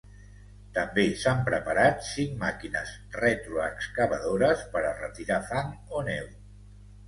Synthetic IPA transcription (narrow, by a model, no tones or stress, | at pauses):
t̪əmbesampɾəpaɾat̪siŋmakinəz | ret̪ɾuəkskaβəðoɾəspəɾərət̪iɾafaŋonɛw